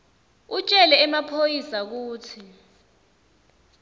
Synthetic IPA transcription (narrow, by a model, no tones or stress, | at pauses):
ut͡ʃʼɛlɛːmapʰojisak̬uːtʰi